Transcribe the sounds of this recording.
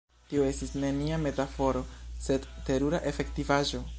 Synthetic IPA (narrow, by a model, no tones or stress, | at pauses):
tio̞e̞stisne̞niame̞tafo̞ɾo̞se̞dte̞ɾuɾaʔe̞fe̞ktivaʒo̞